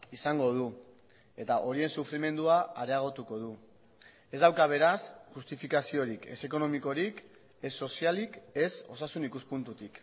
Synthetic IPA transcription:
isaŋɡo̞ð̞u | e̞t̪aʔo̞ɾie̞nsufɾime̞nd̪uaaɾe̞aɣ̞o̞t̪uko̞ð̞u | e̞zd̪awkaβ̞e̞ɾasʝust̪ifikasio̞ɾike̞se̞ko̞no̞miko̞ɾik | e̞sːo̞sialike̞so̞sasunikuspunt̪ut̪ik

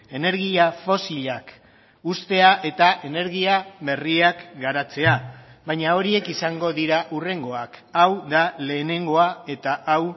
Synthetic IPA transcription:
e̞ne̞ɾɣiafo̞siʎak | ust̪e̞aʔe̞t̪aʔe̞ne̞ɾɣ̞iaβe̞riakɡaɾat͡se̞aβajɲao̞ɾie̞kisaŋɡo̞ðiɾaʔure̞ŋɡo̞akawðale̞ːne̞ŋɡo̞ae̞t̪aʔaw

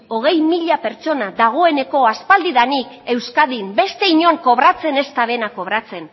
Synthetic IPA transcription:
o̞ɣ̞e̞jmiʎape̞ɾt͡ʃo̞naðaɣ̞o̞e̞ne̞ko̞aspald̪iðanike̞wskaðimbe̞st̪e̞iɲo̞ŋko̞βɾat͡se̞ne̞st̪aβe̞nako̞β̞ɾat͡se̞n

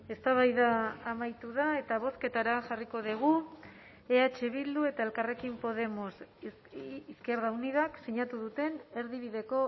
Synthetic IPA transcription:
e̞st̪aβajðaːmajt̪uðae̞t̪aβ̞o̞ske̞t̪aɾaʝariko̞ðiɣ̞u | eat͡ʃeβild̪ue̞t̪ae̞lkare̞kimpo̞ð̞e̞mos | iske̞ɾð̞aunið̞aksiɲat̪uðut̪e̞ne̞ɾðiβiðe̞ko̞

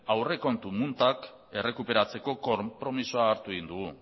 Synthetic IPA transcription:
awre̞ko̞nt̪umunt̪ak | e̞re̞kupe̞ɾat͡se̞ko̞kopɾo̞misoaːɾt̪uɣind̪uɣu

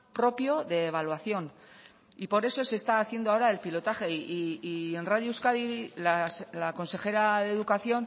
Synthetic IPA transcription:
pɾo̞pjo̞ðe̞ːβ̞alwaθjo̞n | ipo̞ɾe̞so̞se̞st̪aːθje̞nd̪oaoɾaelpilo̞t̪axe̞ie̞nraðjoewskaðilalako̞nse̞xe̞ɾaðe̞ðukaθjo̞n

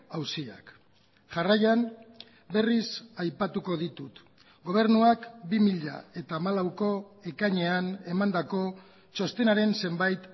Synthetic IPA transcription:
awsia̰k | ʝarajan | be̞risajpat̪uko̞ðit̪ut̪ | ɡo̞β̞e̞ɾnuakbimiʎa̰e̞t̪aːmalawko̞e̞kaɲe̞ane̞mand̪ako̞ | t͡ʃo̞st̪e̞naɾe̞nse̞mbajt̪

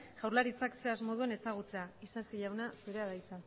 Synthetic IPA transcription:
ʝ̥awrlaɾit͡sakse̞azmo̞ðue̞ne̞saɣ̞ut͡se̞aisasiʎawnasuɾe̞aðajt͡sa

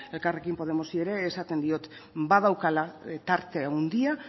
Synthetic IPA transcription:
e̞lkare̞kimpo̞ð̞e̞mo̞sie̞ɾe̞ːsat̪e̞nd̪io̞t̪ | bað̞awkalat̪aɾt̪e̞ond̪ia

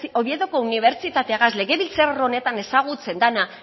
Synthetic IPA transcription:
o̞βjeðoko̞uniβ̞e̞ɾt͡sit̪at̪eaɣazle̞ɣe̞βilt͡sero̞ne̞t̪ane̞saɣ̞ut͡se̞nd̪ana

